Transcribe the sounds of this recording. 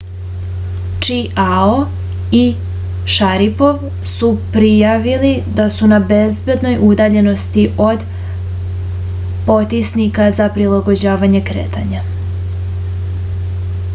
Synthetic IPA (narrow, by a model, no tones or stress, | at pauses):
t͡ʃiao | i | ʃaɾipo̞ʋ | supɾijaʋilid̪asunabe̞zbe̞d̪no̞jud̪aːʎe̞no̞st̪iʔo̞d̪ | po̞t̪isnikazapɾilaɡo̞d͡ʑaːʋaɲe̞kɾḛːt̪a̰ɲa